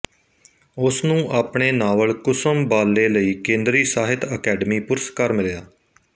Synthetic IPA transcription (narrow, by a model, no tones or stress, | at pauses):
ʊsnũːʔaːpɳeːnaːʋəɭkʊsəmbaːlːeːləiːkẽːnd̪ɾiːsaːɦɪt̪əkɛːɖəmiːpʊɾskaːɾmɪljaː